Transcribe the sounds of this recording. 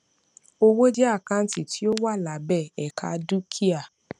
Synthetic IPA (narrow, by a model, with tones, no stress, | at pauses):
o˦wo˦d͡ʒɛ˦a˦˨kã˦n̩˦ti˦˨ti˦o˦wa˦˨la˨˦bɛ˦˨ɛ˨kʰa̰˧du˦kʰi˦a˦˨